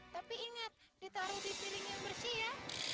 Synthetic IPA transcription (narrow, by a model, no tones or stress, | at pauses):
t̪apiːŋat̪̚dit̪aɾudipilɪŋambərsija